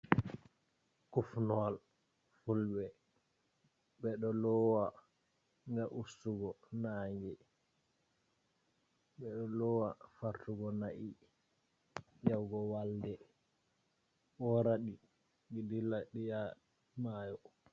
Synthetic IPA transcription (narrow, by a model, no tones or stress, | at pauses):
kufnɔl | fulbɛ | bɛɗɔlɔwa | ŋɡaʔustuɡɔnaːŋɡɛ | ɓɛɗɔlɔwafaɾtuɡɔnaʔi | jawɡɔwaldɛ | ɓɔɾaɗi | ŋidilaɗija | majɔ